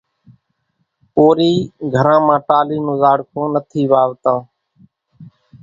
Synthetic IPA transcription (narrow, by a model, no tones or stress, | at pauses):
poːɾiːɡʱəɾãːmãːʈaːliːnoːzaːɽkʰoːnət̪ʰiːʋaːʋt̪ãː